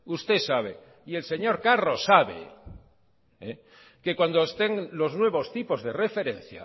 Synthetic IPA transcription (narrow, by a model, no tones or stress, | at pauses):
ust̪e̞saβ̞ḛ | ie̞lse̞ɲo̞ɾkaro̞sːaβḛ | e | ke̞kwand̪oest̪e̞ŋlo̞znwe̞β̞o̞st̪ipo̞zðe̞re̞fe̞ɾe̞n̟θja̰